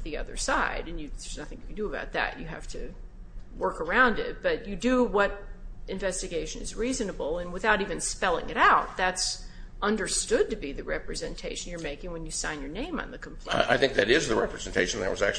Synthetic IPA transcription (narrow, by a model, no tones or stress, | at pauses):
ðiʌ̰ðə̰˞saɪɾɨ̃njɨðə˞znʌθɪ̃ŋkndɨəbaʊt̪̚ðɨ̰t͡ʃjɨɦæ̰ftʰɨ | wɜ˞kə˞ãʊ̃ndɪ̰t̚b̥ʌt͡ʃɨdɨwʌɾɨ̃ɱvɛstɨɡeɪʃɨ̃nɨ̰zɹizɨnəbl̩ˠə̃nwəθaʊɾivɨ̃nspɛlˠɪ̰̃ŋɨɾaʊt̪̚ðæts | ʌ̃ndə˞stʊd̚tɨbiðɨɹɛpɹɨzɛ̃ntʰeɪʃɨ̃n̩jə˞meɪkɪ̃ŋwɨ̃njɨsãɪ̃njə˞nẽɪ̃mə̰̃nðɨkʰm̩pʰʔaɪθɪ̃ŋk̚ðɨɾɪzðɨɹɛpɹɨz̃n̩tʰeɪʃn̩ðɨ̰t̚wʌ̰zæ̰k̚t͡ʃ